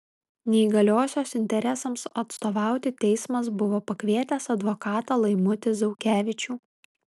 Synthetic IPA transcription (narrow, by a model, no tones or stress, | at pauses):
nʲɛiɡɐlʲoːsʲoːsɪnʲt̪ʲɛɾʲɛsɐmsɐt̪st̪oːʋɑˑʊt̪ʲɪt̪ʲɛɪsmɐsbʊʋoːpɐkʲʋʲiɛt̪ʲɛsɐd̪ʋoːkɑːt̪ɐːlˠɐɪmʊt̪ʲɪzɐʊkʲæːʋʲɪt͡ʃʲuː